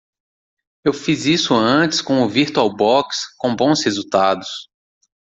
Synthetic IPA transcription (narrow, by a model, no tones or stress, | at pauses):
ewfizisʊɐ̃t͡ʃɪ̥skõʊviɾt̪uawbɔkskõbõw̃shezut̪ad̪ʊs